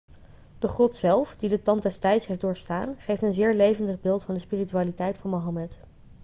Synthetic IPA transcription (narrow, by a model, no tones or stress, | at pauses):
d̥əχɔtsɛlˠfdidətɑntdɛstɛjtsɦefdʊːɹstaːnχejftənzɪːɹlejvəndəχbɪːlˠtfɑndəspiːrityaːlitɛjtfʊnmoɦɑmɛt